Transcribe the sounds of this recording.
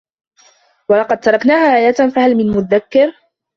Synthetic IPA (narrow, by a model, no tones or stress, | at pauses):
wɑlɑqɑd̪̚t̪ɑɾˤɑknaːhaːʔaːjaːt̪nfahalmɪnmʊðakːɪɾ